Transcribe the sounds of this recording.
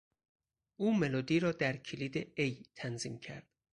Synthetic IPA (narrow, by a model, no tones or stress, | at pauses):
ʔuːme̞loːd̪iːɾɒːd̪æɾcʰiliːd̪eejt̪ʰænziːmcʰæ̰ɾd̪̥